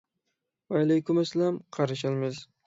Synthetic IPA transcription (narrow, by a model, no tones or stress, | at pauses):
vaɪlajkʰʊmaslamqʰɑɾɪʃ̬ɪlmɪz